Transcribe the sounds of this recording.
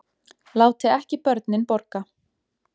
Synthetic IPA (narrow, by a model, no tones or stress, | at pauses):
laːwt̪ɪɛhcɪpœɾt̪nɪnpɔɾka